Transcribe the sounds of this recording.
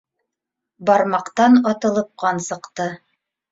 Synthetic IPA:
bɑɾmɑqt̪ɑnɑt̪ɤ̆lˠɤ̆p̚qɑnsɤ̆qt̪ɤ

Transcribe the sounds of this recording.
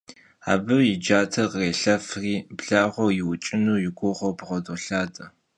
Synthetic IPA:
a̰ːbɨjɪd͡ʒaːtʰɐqəreːɬɐfriːbɮaːʁʷɔjɪwʊt͡ʃʼɪnuːjɪɡʷʊʁʷɔwbʁʷɔdʼoɬaːtʼɐ

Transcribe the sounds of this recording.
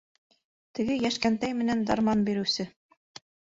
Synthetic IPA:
t̪ɘ̆ɡɘjæʃkænt̪æjmɘ̆nænd̪ɑɾmɑnbiɾɘ̆wsɘ

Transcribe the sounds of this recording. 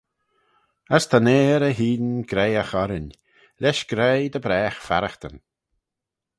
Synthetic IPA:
əst̪ʰaneːɾəɦiːdnɡɾejəxɔɾɪnʲ | lɛʃɡ̥ɾejd̪əbɾɛːxfa̰ɾəxt̪ə̰n

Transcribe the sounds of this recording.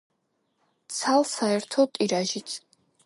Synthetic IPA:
t̪sʰalˠsaɛɾt̪ʰɔt̪ʼiɾaʒit̪sʰ

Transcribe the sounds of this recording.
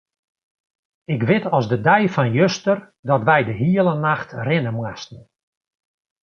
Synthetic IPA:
ɪkʋɪtɔsdədɛjfɔnjøstər | dɔtʋɛjdəɦiəlˠənaxtrɪnəmwastn̩

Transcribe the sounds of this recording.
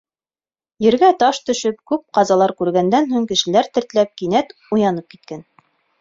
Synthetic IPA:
jɘ̆ɾɡæt̪ɑʃt̪ɵ̆ʃɵp̚kʉp̚qɑzɑlˠɑɾkʉɾɡænd̪ænɦuŋkɘ̆ʃɘ̆læɾt̪ɘ̆ɾt̪læp̚kinæt̪ujɑnɤp̚ki̥t̪̚kæn

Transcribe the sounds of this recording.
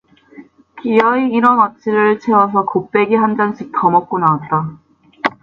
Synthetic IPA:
kijʌiːɾʌnʌt͡ɕ͈iɾɯɭt͡ɕʰewʌsʰʌkop͈e̞ɡiɦand͡ʑanɕʰik̚tʌmʌk̚k͈onawat̚t͈a

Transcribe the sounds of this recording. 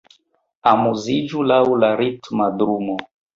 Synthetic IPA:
amuzid͡ʒulaulaɾitmadɾumɔ

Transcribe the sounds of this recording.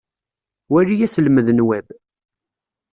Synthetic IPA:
wæɾijæsəlməðnwæb

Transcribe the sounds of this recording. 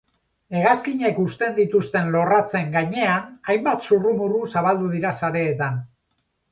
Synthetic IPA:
e̞ɣ̞askiɲe̞kust̪e̞nd̪it̪ust̪e̞nlo̞rat͡se̞ŋɡaɲe̞anajmbat̪surumurusaβ̞ald̪uð̞iɾasaɾe̞ːt̪an

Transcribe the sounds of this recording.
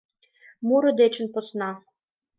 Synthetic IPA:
muɾɤ̆d̪et͡ɕə̆npŏsnɑ

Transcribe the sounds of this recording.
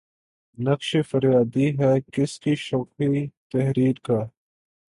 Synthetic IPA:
nɐkʃefəɾjaːd̪iɦɛːkɪskiʃɔːkit̪ɛɦɾiːɾkaː

